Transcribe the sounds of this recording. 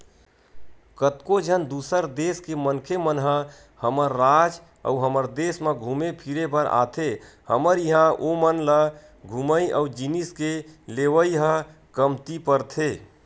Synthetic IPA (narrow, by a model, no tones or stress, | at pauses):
kət̪kod͡ʒʱənd̪usəɾd̪eskemənkʰemənɦə | həməɾːad͡ʒ | ə̰uɦəməɾd̪esmeɡʱumepʰiɾepəɾa̰t̪ʰe | həməɾjəɦãʔomənlə | ɡʱuməiʔəud͡ʒiniskeleʋəiɦə | kəmt̪ipəɾt̪ʰe